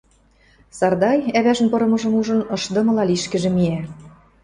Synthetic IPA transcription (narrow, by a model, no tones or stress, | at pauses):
sɑrd̪ɑjæβæʒɘ̆npɤɾɤ̆mɤ̆ʒɤ̆muʒɤ̆nɤ̆ʃd̪ɤ̆mɤ̆lɑliʃkɘ̆ʒĕmiæ